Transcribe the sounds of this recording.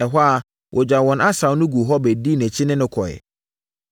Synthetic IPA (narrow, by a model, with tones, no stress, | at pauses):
ɛ˨ɦɔ˦a˨ | wʔɔ˨d͡ʑᶣa˨wɔ̃˨na˦sã˨wnʊ̃˦ɡu˨ɦɔ˦bæ˨di˦˨næ̃˨t͡ɕʰɪ˦nɪ̃˦nʊ̃˦kʰɔ˨ɛ̰˨